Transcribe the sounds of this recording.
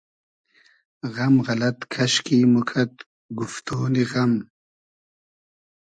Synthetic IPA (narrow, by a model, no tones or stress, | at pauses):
ɣɐmɣɐlɐt̪kʰɐɕkimukʰɐt̪̚ | ɡuft̪oːniɣɐm